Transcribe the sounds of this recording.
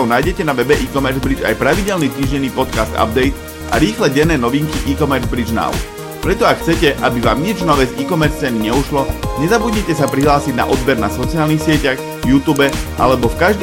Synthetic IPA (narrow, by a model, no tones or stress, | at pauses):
ɔʊnaːjɟɛcɛnaʋɛbɛʔiːkɔmɛɾzbɾid͡ʒa̰jpɾaʋiɟɛlnit̪iːʒɟɛniːpɔt̪kast̪a̰b̚d̪ɛjt̪ | a̰ɾiːxlɛɟɛnːɛːnɔʋiŋkiʔiːkɔmɛɾzbɾid͡ʒna̰ʊ | pɾɛt̪ɔakxt͡sɛcɛʔabiʋaːmɲid͡ʒnɔʋɛziːkɔmɛɾt͡sɛniɲɛuʃlɔɲɛzabudɲɛcɛsapɾiɦlaːsiɟna̰ʔɔd̪bɛɾnasɔt͡siaːlnixsɪɛcaɣ | vjuːt̪uːbɛʔa̰lɛbɔfkaʒd̪